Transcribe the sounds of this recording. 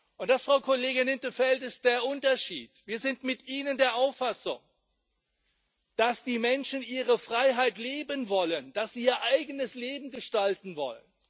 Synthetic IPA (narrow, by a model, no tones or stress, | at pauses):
ʔʊntd̥asfʁ̥aʊkʰɔleːɡɪnɪntəfɛltɪst̚d̥eːɐʔʊntɐʃḭːtviːɐzɪntmɪtʔiːnəndeːɐʔaʊfasʊ̰ŋ | d̥asd̥iːmɛnʃn̩ʔiːʁəfʁ̥aɪɦaɪtleːbənvɔlənd̥asz̥iːɐʔaɪɡənəsleːbm̩ɡəʃtaltn̩vɔ̰lə̰n